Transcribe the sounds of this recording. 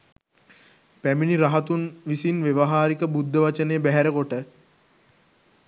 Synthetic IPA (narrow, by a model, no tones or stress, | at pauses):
pæminiɾaɦɐt̪unʋisinʋeʋɐɦaːɾikəbud̪ːəʋat͡ʃənejːbæɦæɾəkoʈə